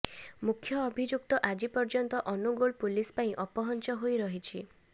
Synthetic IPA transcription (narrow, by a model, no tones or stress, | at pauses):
mukʰjɔːbʱid͡ʒuk̚t̪ɔʔad͡ʒipɔɾd͡ʒɔnt̪ɔʔɔnuɡoɭpulispaĩʔɔpɔɦɔnt͡ʃɔɦojɾɔɦit͡ʃʰi